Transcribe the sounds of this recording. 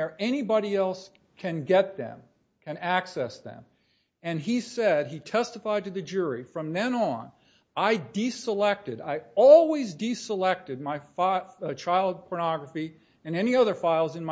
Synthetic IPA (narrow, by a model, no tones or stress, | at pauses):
ə˞ʔɛñibɑɾiɛlˠs | kʰɨ̃nɡɛt̪̚ðɨ̰̃m | kʰɨ̃næksɛsðɨ̰̃m | ɨ̃nisɛd̚itʰɛstəfaɪd̚tɨðɨd͡ʒʊɹifɹʌ̃mðɨ̃nə̃n | aɪdisəlɛk̚tɨɾaɪɔlˠwizdisəlɛk̚tɨd̚maɪft͡ʃʰaɪlˠd̚pʰə˞nɑɡɹəfi | ɨ̃nɛñiʌðə˞faɪlˠzɨ̃nm